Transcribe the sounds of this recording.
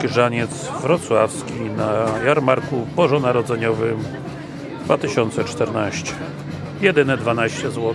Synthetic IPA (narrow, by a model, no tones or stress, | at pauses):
kʲiʐaɲɛt̪zvɾɔt̪swafskʲinajaɾmaɾkubɔʐɔnaɾɔd̪zɛɲɔvɘm | d̪vat̪ɘɕɔnt̪sɛt͡ʂt̪ɛɾnaɕt͡ɕɛ̥ | jɛd̪ɘnɛd̪vanaɕt͡ɕɛzwɔ